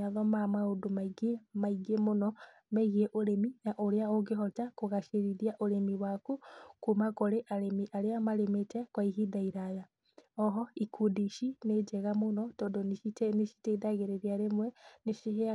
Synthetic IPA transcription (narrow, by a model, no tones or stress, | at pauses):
aðɔmamaodomaiɡemaiɡemonɔ | mɛɣieʔoɾeminaʔoɾeaoɣeɦɔtakoɣaʃeɾiɾiaʔoɾemiwakukumakoɾeʔaɾemiʔaɾeamaɾemetɛkwaiɦidaiɾaja | ɔɦɔikʰudiʃined͡ʒɛɣamonɔtɔːndoneʃitɛneʃi̥teidaɣeɾeɾiaɾemwɛneʃiɦea